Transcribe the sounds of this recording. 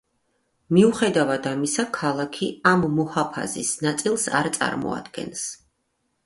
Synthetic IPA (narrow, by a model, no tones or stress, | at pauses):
miuχɛd̪avad̪amisakʰalˠakʰiamːɔhapʰa̰zisnat̪sʼilˠsa̰ɾt̪sʼa̰ɾmɔ̰a̰d̪ɡɛ̰ns